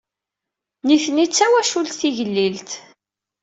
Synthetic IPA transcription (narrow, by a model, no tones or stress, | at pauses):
niθnit͡sːæwæʃulθiʝəlːilt̪